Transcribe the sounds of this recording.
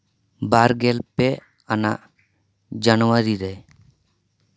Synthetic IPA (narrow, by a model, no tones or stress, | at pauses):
baɾɡɛlpe | ana̰ | d͡ʑanuaɾiɾɛj